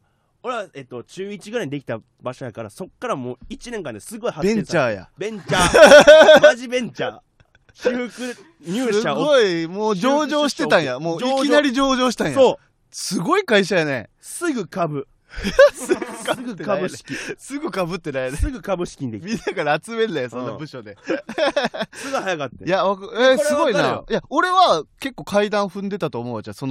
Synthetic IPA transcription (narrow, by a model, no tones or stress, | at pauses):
oɾeβaet̪ːo̞t͡ɕɨːit͡ɕiɡɯɾaid̪ekʲi̥t̪a | baʃojakaɾaso̞kːaɾamoːit͡ɕinẽ̞ŋkãnd̪esɨɡo̞ihabẽ̞ɲt͡ɕaːja̰bẽɲt͡ɕa | aʑibẽ̞ɲt͡ɕa̰ː | çɯkɯ | ɲʲɨːɨaɡɡoimoːd͡ʑo̞ːd͡ʑo̞ːɕi̥t̪e̞t̪ãɰ̃jamoːikʲinaɾʲid͡ʑo̞ːʑo̞ːɕi̥t̪ãɰ̃jo | sɨɡo̞ikaiɕ̬ajane̞̰ | sɨɡɯkabɯ̟ | jsɨɡɯkaɡɯekabɯɕkʲisɨɡɯ̟kabɯ̟t̪ːe̞najnesɨɡɯ̟kabɯ̟ɕi̥kʲiɲid̪ekmʲĩnːakaɾaːt͡sɨme̞ajoso̞nːnbɯ̟ɕo̞d̪e | sɨɡɯhajakat̪ːejaβakesɨɡo̞inajao̞ɾe̞βake̞kːo̞ːkaid̪ãɰ̃ɸɯ̟̃nd̪e̞t̪at̪o̞ːmo̞ːat͡ɕasono